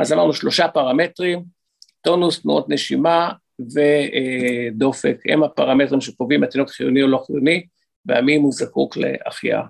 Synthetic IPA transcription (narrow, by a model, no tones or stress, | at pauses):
ʔazalaʁnuʃlo̞ʃapaʁametʁim | t̪onust̪nṵʔot̪neʃima | ve | d̪o̞fekḛmapaʁamet̪ʁimʃekovimat̪inokχijonioloχijoni | vea̰mimuzakuklḛa̰χia̰